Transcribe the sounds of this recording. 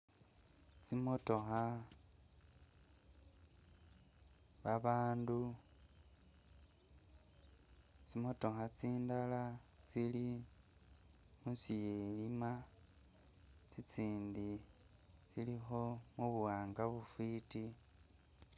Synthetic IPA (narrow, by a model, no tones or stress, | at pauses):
t͡simotoxa | βaβaːndu | t͡simo̞to̞xat͡siːndalat͡sili | musijelima | t͡sit͡siːndi | t͡silixo̞muβuwaːŋɡaβufwiːti